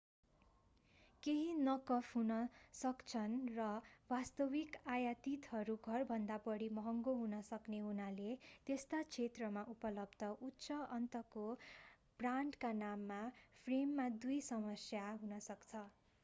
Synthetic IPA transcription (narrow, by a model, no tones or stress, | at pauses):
keɦinʌkʌpʰɦunʌsʌkt͡sʰʌnrʌwast̪ʌbikajat̪it̪ɦʌɾuɡʱʌrbʱʌnd̪apʌɽimʌɦʌŋɡoɦunʌsʌkneɦunalet̪est̪at͡sʰet̪rʌmaʔupʌlʌbd̪ʌʔutːsʌʌnt̪ʌko | b̥ranɖkanamːapʰremːad̪ujsʌmʌsjaɦunʌsʌkt͡sʰʌ